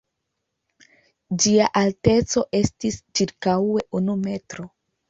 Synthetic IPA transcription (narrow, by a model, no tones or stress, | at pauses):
d͡ʒiaʔalte̞t͡so̞ʔe̞stist͡ʃiɾkawe̞ʔunume̞tɾo̞